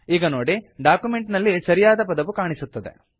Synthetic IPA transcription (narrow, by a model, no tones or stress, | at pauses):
iːɡɐnoːɽiɖaːkumeɳʈnɐlːisɐɾijaːd̪ɐpɐd̪ɐʋukaːɳisut̪ːɐd̪ḛ